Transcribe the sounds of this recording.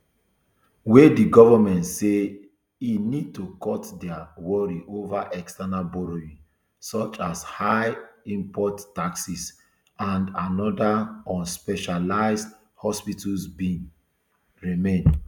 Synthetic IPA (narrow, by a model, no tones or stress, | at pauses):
wediɡɔvamɛ̃ntse | inid̚tukɔtdɛawɔɹiʔovaʔɛkstanalbɔɹoĩ | sɔt͡ʃashaɪĩmpʰɔtːaksis | ãndanɔdaɔ̃nspɛʃalaɪzd | hɔspitulsbĩn | ɹimẽn